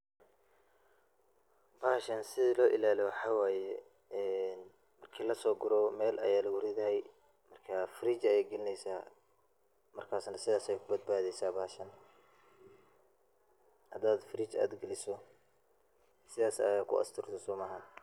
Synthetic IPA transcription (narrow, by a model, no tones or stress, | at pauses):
b̥aːhʃɐnsɪðɪlɔːʔɪ̰laːlɛwɑħɑːwaːjɛː | n | mɐrkʰiːlɐsɔːɡʊɾɔːmɛːlʔɐ̰jaːlɐwʊɾɪðɐɦɛj | mɐrkʰaːfɾiːt͡ʃɐjɛːɡɛlɪnɛjsaː | mɐrkʰaːsnɐsɪðaːsjkʰʊbɐd̪̚baːðɛjsaːbaːʃɐn | hɐd̪aːd̪fɾiːt͡ʃa̰ːd̪ɡɐlɪsɔ | sɪðaːsɐ̰jaːkʰʊ̰ɐ̰st̪ʰɪrt̪ʰɔsʊːmɐɦɐn